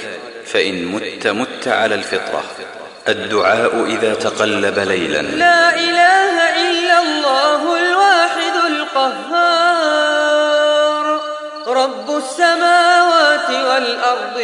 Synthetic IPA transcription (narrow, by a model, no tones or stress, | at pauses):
faʔɪnmʊt̪ːamʊt̪ːaʕa̰laːlfɪt̪ˤɾˤɑ̰ | ʔad̪ːʊʕaːʔʊʔɪðaːt̪aqɑlːabalajla̰nlaːʔɪlaːhaʔɪlːalˤːɑːɦʊlwaːħɪd̪ʊlqɑɦːɑː | ɾ | ɾˤɑbːʊsːamaːwaːt̪ɪwalʔɑɾˤd̪ˤ